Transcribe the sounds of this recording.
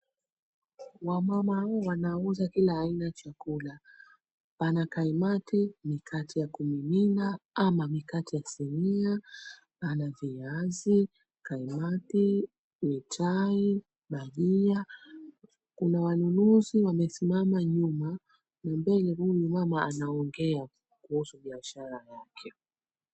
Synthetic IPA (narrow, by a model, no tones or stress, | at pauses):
wamamahawɔwanauzakilaːinaat͡ʃakula | panakaimatimikʰatijakumiminaamamikatijasɛmia | panaviazi | kaimati | witʰai | ɓaʄia | kunawanunuziwamɛsimamaɲuma | nambɛlɛhujumamaanaɔŋɡɛa | kuusuɓiaʃaɾajakʰɛ